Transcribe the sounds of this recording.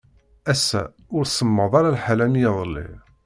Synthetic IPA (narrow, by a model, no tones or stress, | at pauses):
æsːæ̰ | ʊɾsəmːəðˤɑɾalħalæmjɑðˤəlːḭ